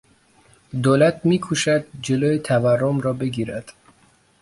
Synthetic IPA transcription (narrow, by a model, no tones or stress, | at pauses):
d̪oːlæt̪ʰmiːkʰuːʃæd̪̚d͡ʒeloːjet̪ʰæværːomɾɒːbe̞ɡiːɾæd̪̥